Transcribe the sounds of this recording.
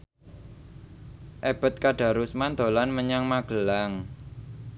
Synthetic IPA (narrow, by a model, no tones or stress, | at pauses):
ʔeb̥ə̤t̪̚kaɖ̥a̤ɾusmand̪̥olanməɲaŋmaɡ̥əlaŋ